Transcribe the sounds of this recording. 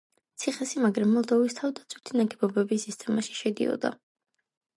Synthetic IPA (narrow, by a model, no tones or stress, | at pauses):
t̪sʰiχɛsimaɡɾamːɔlˠd̪ɔvist̪ʰavd̪at̪sʰwit̪ʰinaɡɛbɔbɛbisist̪ʼɛmaʃi̥ʃɛd̪ḭɔ̰d̪a̰